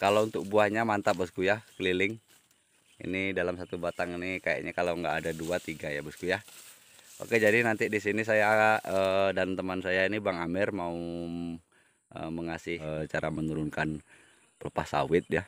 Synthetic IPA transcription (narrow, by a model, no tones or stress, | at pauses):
kalaunt̪ʊk̚buahɲamant̪abəskujakəlilɪŋ | ḭnidalamsat̪ubat̪aŋinikaja̰ʔɲakalaŋɡaːdaduat̪iɡajabuskuja | ʔo̰ked͡ʒadinant̪idisinis̬ajaəːdant̪əmansajainibaŋamɪrmau | ə̰məŋasɪt͡ʃaɾamənuɾunkan | pələpahsa̰wɪt̪̚ja